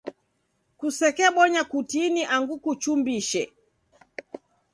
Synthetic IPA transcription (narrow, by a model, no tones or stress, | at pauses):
kusɛkɛɓɔɲakutiniʔaŋɡukut͡ʃumbiʃɛ